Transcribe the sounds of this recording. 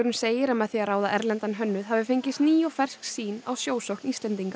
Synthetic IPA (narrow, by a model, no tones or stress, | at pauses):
ɾʏnseːjɪɾɛmaðθiaɾaːwðaʔɛɾlɛnt̪anɦœnːʏðɦavɪfejɲcɪst̪niːjɔfɛr̥sksiːnawsjoːwsowhkniːst̪lɛnt̪iŋka